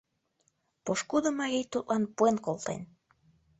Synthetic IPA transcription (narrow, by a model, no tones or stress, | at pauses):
poʃkud̪əmɑɣejt̪ut̪̚lɑnpuenkolˠt̪ḛn